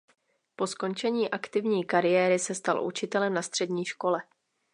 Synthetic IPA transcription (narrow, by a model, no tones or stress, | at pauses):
po̞sko̞nt͡ʃɛɲiːʔakt̪ɪvɲiːkaɾɪjɛːɾɪsɛst̪a̰lʔṵt͡ʃɪt̪ɛlɛmnast̪r̝̥ɛdɲiːʃko̞lɛ